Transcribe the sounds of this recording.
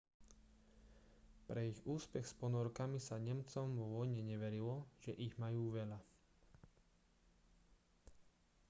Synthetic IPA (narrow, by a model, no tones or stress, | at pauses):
pɾɛiɣuːspɛxspɔnɔɾkamisaɲɛmt͡sɔmʋɔʋɔjɲɛɲɛʋɛɾilɔʒ̥ɛʔiɣmajuːʋɛʎa